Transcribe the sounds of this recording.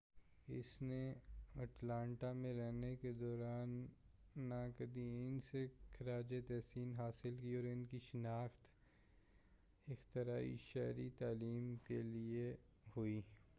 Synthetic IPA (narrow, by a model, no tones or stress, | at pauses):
ɪ̰sneɐʈlãːɳʈamẽɾɛɦneked̪ɔːɾaːnː | akɐd̪iɪnsekʰɐɾaːd͡ʒet̪ɛːsiːnɦaːsɪlkiɔːɾɪnkiʃɪnaːxt̪ | ɪxt̪ɪɾaːḭʃɛːɾit̪aːliːmkelie | hʊiː